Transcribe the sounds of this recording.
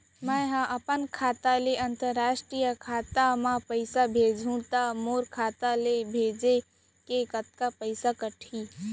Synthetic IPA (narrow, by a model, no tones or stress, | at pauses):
mə̃ɦãʔɐpənkʰaːt̪aleʔɐ̃nt̪əɾːaːʃʈɾijəkʰaːt̪amãpəɪsabʱeːd͡ʒʱũt̪amoːɾkʰaːt̪alebʱeːd͡ʒe | kekət̪̚kapəɪsakəʈʰiː